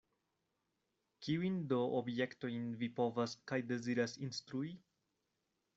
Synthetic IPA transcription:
kiuindoʔobjektojnvipovaskajde̞ziɾasinst̪ɾui

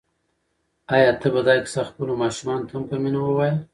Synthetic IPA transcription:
ɑjɑt̪əbad̪ɑksaxpəlomɑʃumɑnot̪ampəminawəwajəl

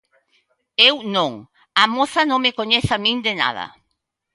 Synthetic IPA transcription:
ewnõŋ | ɐmoθɐnõŋmekoɲeθamĩnd̪ena̰ðɐ̰

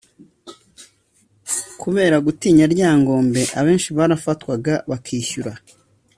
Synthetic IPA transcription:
kuβe̞ːɾaɡutiːɲaɾɟaːŋɡo̞ːmbe̞ʔaβe̞ːnʃiβaːɾafatwaɡaβakʰiːʃuɾa

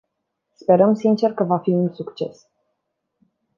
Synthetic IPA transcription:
spe̞ɾəmsint͡ʃe̞rkəvafiunsukt͡ʃe̞s

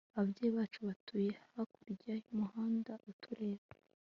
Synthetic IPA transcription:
aβbjeːβaːt͡ʃuβatʰujehahakuɾɟahimuɦaːndaʔutʰuɾe̞ːβa

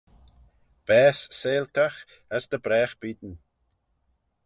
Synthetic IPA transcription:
b̥ɛːsːeːlt̪ʰax | asd̪əbɾɛːxb̥iːd̪n

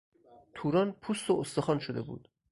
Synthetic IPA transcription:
t̪ʰuːɾɒːnpʰuːst̪oost̪oxɒːnʃod̪e̞̰bṵːd̪̥

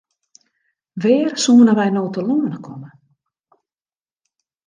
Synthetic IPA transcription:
ʋɪːrsuːənəʋɛjnoːtəluːənəkʰɔmə

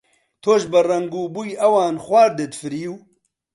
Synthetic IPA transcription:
t̪ʰoːʃbɐrɐŋɡuːbujɐwaːnxwʷaːɾd̪et̪fɨɾijuː

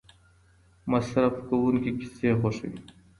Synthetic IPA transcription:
mɐsɾɐfkɐwunkiki̥seːxoʂḭ

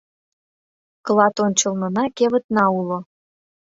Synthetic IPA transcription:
klˠɑt̪onʲt͡ɕəlnə̆nɑkeβət̪nɑulo

